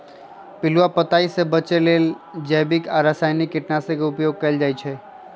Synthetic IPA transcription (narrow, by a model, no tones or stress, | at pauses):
pɪluapət̪aisẽbət͡ʃelel | d͡ʒəbikaɾəsajnikːɪʈnasẽkeʊpjoɡ̚kəjld͡ʒajt͡ʃʰɛ